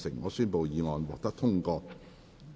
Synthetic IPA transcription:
sɪ˨˩ŋːɔː˨˧syː˥npo˨wjiː˨˧ŋɔː˨nwɔː˨k̚t̪ɐ˥k̚t̪ʰʊ˥ŋkɔː˧

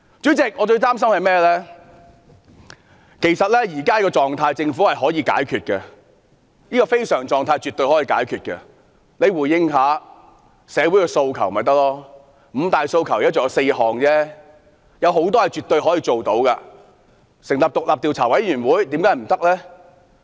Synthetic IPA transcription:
t͡ʃyː˨˥t͡sɪ˨k̚ŋɔː˨˧t͡ʃɵ˧ɥt̪aː˥ms̬ɐ˥mhɐ˨jmɛː˥lɛ˥ | ke˨˩jsɐ˨t̚lɛ˥jiː˨˩kaː˥kɔː˧t͡sɔː˨ŋt̪ʰaː˧jt͡sɪ˧ŋfuː˨˥hɐ˨jɦɔː˨˥jiː˧ka̰ː˨˥jkʰyː˨t̚kɛ˧ | jiː˥kɔː˧fe˥jsœː˨˩ŋt͡sɔː˨ŋt̪ʰaː˧jt͡ʃy˨t̪ːɵ˧jhɔː˨˥jiː˧ka̰ː˨˥jkʰyː˨t̚kɐ̰˧ | le˨˧jwuː˨˩jjɪ˧ŋɦaː˨˥ | sɛː˨˧wuː˨˥jkɛ˧so˧wkʰɐ˨˩wmɐ˨˩jt̪ɐ˥k̚lɔː˥ | m̩ː˨˧t̪aː˨jso˧wkʰɐ˨˩wj̚t͡ʃɔː˨˧˥se˧jhɔː˨ŋt͡sɛː˥ | jɐ˨˧wɦo˨˥wt̪̬ɔː˥jɐ˨˩t͡ʃyː˨˩t̪ːɵ˧ɥɦɔː˨˥jiː˧t͡ʃo˨wt̪o˨˥wkɐ˧ | sɪ˨˩ŋlɐ˨p̚t̪ʊ˨k̚laː˨p̚t̪iː˨˧wt͡sʰaː˨˩wɐ˨˥jɥyː˨˩nwuː˨˥jt̪i˨˧˥mkaː˨˥˩m̩˨˩t̪ɐ˥k̚lɛː˥

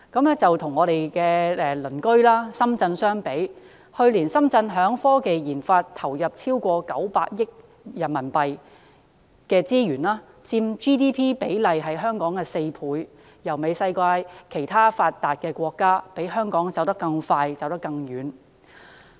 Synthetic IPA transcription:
kɐ˨˥mɛ˥t͡sɐ˨wt̪ʰʊ˨˩ŋːɔː˨˧ɾe˨jkɛː˧ɛː˧lɵ˨˩nkɵ˥ɥlaː˥sɐ˥mt͡sɐ˧nsœː˥ŋpe˨˥j | hɵ˧ɥliː˨˩nsɐ˥mt͡sɐ˧nɦœː˨˥ŋfɔː˥ke˨jjiː˨˩nfaː˧tt̪ʰɐ˨˩wjɐ˨p̚t͡sʰiː˥wkʷɔː˧kɐ̰˨˥wpaː˧k̚jɪ˥k̚ | jɐ˨˩nmɐ˨˩npɐ˨j | kɛː˧t͡siː˥jyː˨˩nlaː˥ | t͡siː˧mt͡ʃiː˥t̪iː˥pʰiː˥pe˨˥jlɐ˨jɦɐ˨jɦœː˥ŋkɔː˨˥ŋkɛː˧se˧jpʰuː˨˧j | jɐ˨˩wme˨˧jsɐ˧jkʷaː˧jkʰe˨˩jt̪ʰaː˥faː˧t̪ːaː˨t̚kɛː˧kʷɔː˧kːaː˥pe˨˥jɦœː˥ŋkɔː˨˥ŋt͡sɐ˨wt̪ɐ˥kːɐ˧ŋfaː˧jt͡sɐ˨wt̪ɐ˥kːɐ˧ŋjyː˨˥n

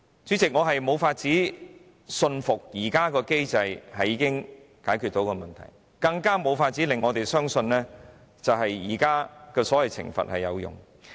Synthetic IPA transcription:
t͡syː˨˥t͡sɪ˨k̚ŋɔː˨˧ɦɐ˨jmo˨˧wfaː˧t̚t͡siː˨˥ | sɵ˧nfʊ˨k̚jiː˨˩kaː˥kɔː˧ke˥jt͡sɐ˧jhɐ˨jːiː˨˧˥kɪ˥ŋ | kaː˨˥jkʰy˨t̪o˨˥wkɔː˧mɐ˨nt̪ʰɐ̰˨˩j | kɐ˧ŋkaː˥mo˨˧wfaː˧t̚t͡siː˨˥lɪ˨ŋːɔː˨˧t̪e˨jsœː˥ŋsɵ˧nlɛː˥ | t͡sɐ˨wɦɐ˨jjiː˨˩kaː˥kɛː˧sɔː˨˥wɐ˨jt͡sʰɪ̰˨˩ŋfɐ̰˨t̚hɐ˨jːjɐ̰˨˧wjʊ̰˨˩ŋ

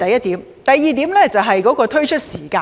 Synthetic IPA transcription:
t̪ɐ˨jːɐ˥t̚t̪iː˨˥m | t̪ɐ˨˩jːiː˨˧t̪iː˨˥mlɛː˥˩t͡sɐ˨˩wɦɐ˨jkɔː˨˥kɔː˧t̪ʰɵ˥ɥt͡ʃʰɵ˥t̚siː˨˩kaː˧

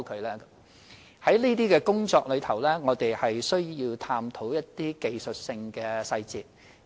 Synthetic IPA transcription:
kʰɵ˨˧ɥlɛː˥ | hɐ˨˥jniː˥t̪iː˥kɛː˧kʊ˥ŋt͡sɔː˧k̚lɵ˨˧ɥt̪ʰɐ˨˩wlɛː˥ŋɔː˨˧t̪e˨jhɐ˨jsɵ˥ɥjiː˧wt̪ʰaː˧mt̪ʰo˨˥wjɐ˥t̚t̪iː˥ke˨jsɵ˨t̚sɪ˧ŋkɛː˧sɐ˧jt͡siː˨t̚

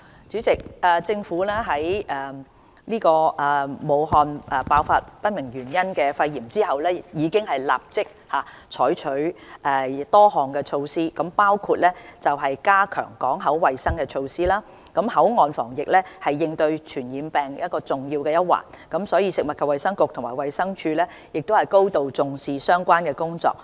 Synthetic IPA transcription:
t͡ʃyː˨˥t͡sɪ˨k̚ɛː˨t͡sɪ˧ŋfuː˨˥lɛː˥ɦɐ˨˥jʔɛː˨ | niː˥kɔː˧ʔɛː˨˩mo˨˧wɦɔː˨nʔɛ˨˩paː˨˧wfa̰ː˧t̚pɐ˥t̚mɪ˨˩ŋjyː˨˩njɐ˥nkɛː˧fɐ˧jjiː˨˩mt͡siː˥ɦɐ˨wlɛː˥jiː˨˧kɪ˥ŋhɐ˨jla̰ː˨p̚t͡sɪ˥k̚haː˨ | t͡ʃʰɔː˨˥jt͡ʃʰɵ˨˥ɥʔɛː˨t̪ɔː˥hɔː˨ŋkɛː˧t͡ʃʰo˧wsiː˥kɐ˨˥mpaː˥wkʰu˧t̚lɛː˥t͡sɐ˨wɦɐ˨jkaː˥kʰœ̰ː˨˩ŋkɔː˨˥ŋɦɐ˨˥wːɐ˨jsɐ˥ŋkɛː˧t͡ʃʰo˧wsiː˥laː˥ | kɐ˨˥mhɐ˨˥wŋɔː˨˧nfɔː˨˩ŋjɪ˨k̚lɛː˥hɐ˨jːɪ˧ŋt̪ɵ˧ɥt͡ʃʰyː˨˩njiː˨˧mpɛː˨˩ŋjɐ˥t̚kɔː˧t͡sʊ˨˩ŋjiː˧wkɛː˧jɐ˥t̚wa̰ː˨˩nkɐ˨˥msɔː˨˥jiː˨˧sɪ˨k̚mɐ˨t̚kʰɐ˨pwɐ˨jsɐ˥ŋkʊ˨k̚t̪ʰʊ˨˩ŋmaː˨˩wɐ˨˧jsɐ˥ŋt͡ʃʰyː˧lɛː˥ | jɪ˨k̚t̪o˥whɐ˨˩jko˥wt̪o˨wt͡sʊ˨ŋsiː˨˧sœː˥ŋkʷaː˥nkɛː˧kʊ˥ŋt͡sɔ̰ː˨˧k̚

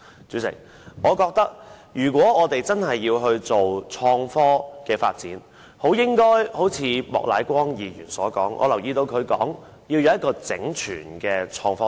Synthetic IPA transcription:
t͡sy˨˥sɪ̰˨˩ŋ̚ | ʔɔː˨˧kɔː˧k̚t̪ɐ˥k̚ | jyː˨˩k̬wɔː˨˥ɔː˨˧t̪e˨jt͡sɐ˥nɦɐ˨jːiː˧wɦɵ˧ɥt͡so˨wt͡ʃʰɔː˧ŋfɔː˥kɛː˧fa̰ː˧t̚t͡siː˨˥n | ho˨˥wjɪ˥ŋkɔː˥jho˨˥wt͡sʰiː˨˧mɔ̰ː˨k̚la̰ː˨˥jkʷɔː˥ŋjiː˨˧jyː˨˩nsɔ̰ː˨˥kɔ̰ː˨˥ŋʔɔ̰ː˨˧lɐ˨˩wjiː˧t̪o˧wkʰɵ˨˧ɥkɔ̰ː˨˥ŋ | jiː˧wjɐ˨˧wjɐ˥t̚kːɔː˧t͡sɪ̰˨˥ŋt͡ʃʰyː˨˩nkɛː˧t͡ʃʰɔː˧ŋfɔː˥

